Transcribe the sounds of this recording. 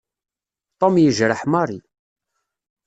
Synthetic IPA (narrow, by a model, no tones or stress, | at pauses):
t̪ˤomjəʒɾəħmɑɾˤi